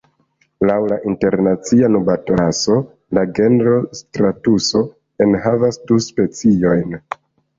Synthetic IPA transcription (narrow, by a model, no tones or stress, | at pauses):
lawlaʔinte̞ɾnat͡sianubatoɾaso̞ | laɡe̞nɾo̞stɾatuso̞ | enɦavasduspe̞t͡sio̞jn